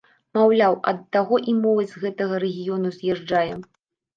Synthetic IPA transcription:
mawlʲawɐ̰d̪ːaɣɔʔimɔvɐzʲɣɛt̪ɐɣɐɾɛɣʲijɔnuzʲjɛʐd͡ʐajɛ

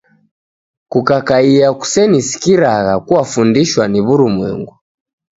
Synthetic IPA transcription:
kukakaiaku̥sɛnisi̥kiɾaɣakuwafundiʃwaniβuɾumwɛ̰ŋɡu

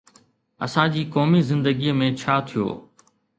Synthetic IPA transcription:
ɐ̰sãːd͡ʑiːkɔːmizɪ̃nd̪əɡiːəmẽt͡ɕʰaːt̪ʰijo̰ː

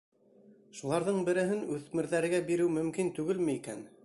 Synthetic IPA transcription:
ʃulˠɑɾðɤɴbɘ̆ɾɘ̆ɦɘnʉðmɘ̆ɾðæɾɘ̆ɡæbiɾɘwmɵ̆mkint̪ʉɡɘlmɘikæ̰n

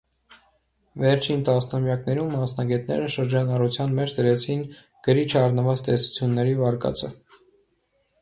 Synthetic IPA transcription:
vɛɾt͡ʃʰint̪ɑsnɑmjɑknɛɾumːɑsnɑɡɛt̪nɛ̰ɾəʃəɾd͡ʒɑnɑrut͡sʰjɑnmɛt͡ʃʰd̪əɾɛt͡sʰin | ɡ̥əɾit͡ʃʰɑrnəvɑt͡st̪ɛsu̥t͡sʰjunːɛɾivɑɾkɑ̰t͡sʰə

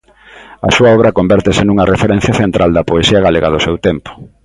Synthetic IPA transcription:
ɐ̰suɐɔβɾɐkombɛɾt̪esɪnuŋɐrefeɾen̟θjɐθent̪ɾald̪ɐpoesiɐɣaleɣaðʊsewt̪empʊ̥

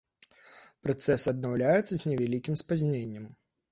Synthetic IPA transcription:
pɾat̪sɛsɨɐd̪nawlʲajut̪sːɐzʲnʲɛvʲɛlʲikʲimspazʲnʲenʲːɐm

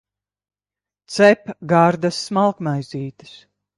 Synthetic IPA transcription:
t̪sɛpɡaɾd̪asːmalˠkmajziːt̪ɨ̥s

